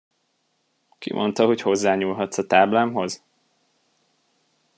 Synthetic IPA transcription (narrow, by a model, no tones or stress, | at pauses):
kḭmʔo̞̰nt̪ɒɦocho̞zːaːɲuːlɦɒt̪sɒt̪aːblaːmɦo̞z̥